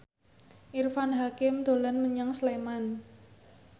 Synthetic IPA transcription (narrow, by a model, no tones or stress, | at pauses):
ʔirfanɦakɪmd̪̥o̤lanməɲaŋsleman